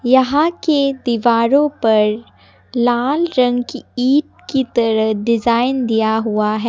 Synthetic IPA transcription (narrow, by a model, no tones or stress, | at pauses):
jɐɦãked̪iːʋaːɾõpɐɾ | laːlɾɐ̃ŋɡkiːʈ̚kit̪ɐɾəɦɖɪzaːɪnd̪ijaɦuaɦɛː